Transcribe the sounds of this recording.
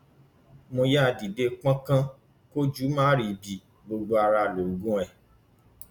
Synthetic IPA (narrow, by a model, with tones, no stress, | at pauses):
mõ˧ja˦˧˨di˨de˧˦k͡pã˦kã˦ | ko˦d͡ʒu˨˦mãː˦ɾi˨bi˨ | ɡ͡bo˧ɡ͡bo˧a˧ɾa˧˨lo˨ɡũ˦ɛ˨